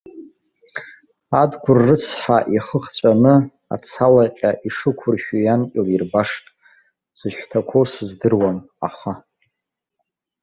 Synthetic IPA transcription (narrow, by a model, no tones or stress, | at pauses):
adɡʷʊrːɨt͡sʰħaʔiχəχt͡sʷʼanɨ | a̰t͡sʰalaqʲʼaʔiʂɨkʷʰʊrʃujankʲʼɪlirbaʂtʼ | sɨʃᶣtʰakʷʰosɨzdɨrwam | a̰χa